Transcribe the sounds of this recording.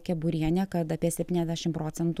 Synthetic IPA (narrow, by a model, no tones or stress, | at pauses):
kʲɛbʊɾʲiɛnʲɛːkɐt̪ɐpʲiɛsʲɛpʲtʲiːnʲɛzʲd̪ʲæːʃʲɪmpɾoːt̪sʲɛnt̪